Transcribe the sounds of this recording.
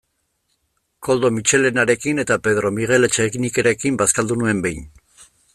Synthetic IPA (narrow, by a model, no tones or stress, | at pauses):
ko̞ld̪o̞mit͡ʃe̞le̞naɾe̞kine̞t̪ape̞ðɾo̞miɣ̞e̞le̞t͡ʃeɣinikeɾekimbaskald̪unue̞mbe̞jn